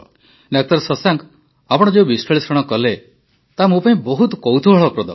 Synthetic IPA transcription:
ɖak̚t̪ɔɾsɔsaŋk | apɔɽ̃ɔd͡ʒeubispʰaɭisɾɔɽ̃ɔkɔle | t̪amũpaĩbɔɦut̪kɔwt̪ʰubʱɔɭɔpɾɔd̪ɔ̰

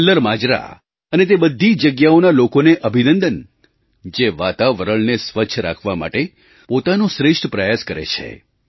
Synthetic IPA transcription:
ləɾmad͡ʒɾa̰ | ənet̪̬ebəd̪ʱːid͡ʒəɡjaonalokoneʔəbʱinə̃nd̪ən | d͡ʒeʋa̰t̪aʋəɾəɭnesʋəʃʰəɾa̰kʰʋama̰ʈe | pot̪anõʃɾeʂʈpɾəjaskəɾḛt͡ʃʰḛ

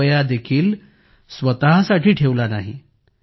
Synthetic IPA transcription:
jad̪ekʰiːl | sʋət̪aɦsaʈʰiːʈʰeʋlana̰ɦḭ

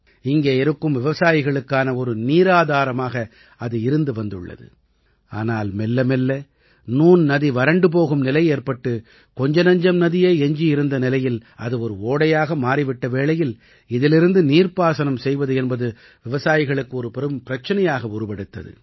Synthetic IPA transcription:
ɪŋɡeːɪɾɯkːɯmʋɪʋɐsaːjɪɣɐɭɯkːaːnɐɔɾɯniːɾaːðaːɾɐmaːɣɐ | ɐðɯɪɾɯnd̪ɯʋɐnd̪ɯɭːɐ̰ðɯ̰ | a̰ːnaːlmɛlːɐmɛlːɐ | nuːnnɐðiʋɐɾɐɳɖɯp̬oːɣɯmnɪlɐjeːrpɐʈːɯ | kɔɲd͡ʒɐnɐɲd͡ʒɐmnɐðɪjeːɛɲd͡ʒiɪɾɯnd̪ɐnɪlɐjɪlʔɐ̰ðɯɔɾɯoːɽɐjaːɣɐmaːɾiʋɪʈːɐʋeːɭɐjɪl | ɪðɪlɪɾɯnd̪ɯniːrpaːsɐnɐmsɛjʋɐðɯɛnbɐðɯ | ʋɪʋɐsaːjɪɣɐɭɯkːɯɔɾɯpɛɾɯmpɪɾɐt͡ʃːɐnɐjaːɣɐʊɾɯpɐɽɯt̪ːɐ̰ðɯ̰

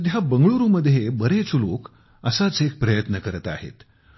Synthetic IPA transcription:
d̪jabəŋɡɭuɾuməd̪ʱːjebəɾet͡suloːk | əsat͡sek̚pɾəjət̪nəkəɾət̪a̰hḛt̪

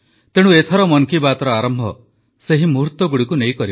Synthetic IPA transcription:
t̪eɽ̃uet̪ʰɔɾɔmɔŋkibat̪ɔɾɔaɾɔmbʱɔ̰ | seɦimuɾt̪ɔɡuɽikunejkɔɾi

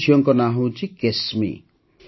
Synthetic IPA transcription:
ʃʰijɔŋkɔnaɦũt͡ʃʰikesmḭ

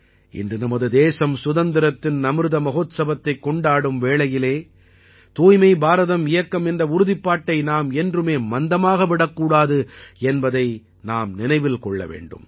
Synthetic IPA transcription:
ʔɪ̰ndrɯnɐmɐðɯd̪eːsɐmsʊðɐnd̪ɪɾɐt̪ːɪnnɐmɯɾɯðɐmɐɣoːt̪sɐbɐt̪ːɐɪkːɔɳɖaːɽɯmʋeːɭɐjɪleː | t̪uːjmɐɪbaːɾɐðɐmɪjɐkːɐmɛndrɐʊɾʊðɪpːaːʈːɐɪnaːmɛndrɯmeːmɐnd̪ɐmaːɣɐʋɪɽɐkːuːɽaːðɯɛnbɐðɐɪ | naːmnɪnɐɪʋɪlkɔɭːɐ̰ʋḛːɳɖɯ̰m

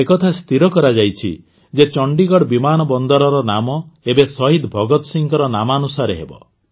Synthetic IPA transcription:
ekɔt̪ʰast̪iɾɔkɔɾad͡ʒajt͡ʃʰḭ | d͡ʒet͡ʃɔɳɖiɡɔɽbimanɔbɔnd̪ɔɾɔɾɔnamɔebesɔɦid̪bʱɔɡɔt̪ɔsiŋkɔɾɔnamanusaɾeɦḛbɔ̰

